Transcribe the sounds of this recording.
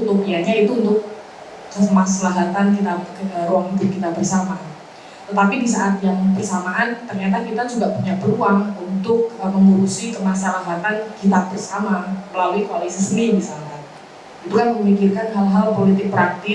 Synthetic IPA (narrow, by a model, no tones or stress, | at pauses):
ut̪upiaɲait̪uːnt̪ʊk̚ː | əmasalaɦat̪ankit̪aəɾuaŋbikit̪abərsaman | t̪ət̪apidisaʔat̪jaŋbərsamaʔant̪ərɲat̪̬akit̪asuɡaʔpuɲaʔbəɾuaŋunt̪ʊk̚əməŋuɾusikəmasalaɦat̪ankit̪abərsamaməlaluikalisisənimisalkan | unt̪ukanməmikirkanɦalɦalpolit̪ɪk̚pəɾant̪i